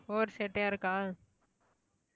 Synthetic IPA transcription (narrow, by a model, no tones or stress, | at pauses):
oːɾseːʈẽəɾkaː